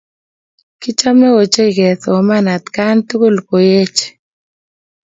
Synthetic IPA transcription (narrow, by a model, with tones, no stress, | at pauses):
kɪ˦t͡ʃa˦mne˦wo˨t͡ʃe˦i˨ɡɛ˨θo˨ma˦na˨t̪ka˦nt̪ʊ˦ko˦lko˨je˦t͡ʃ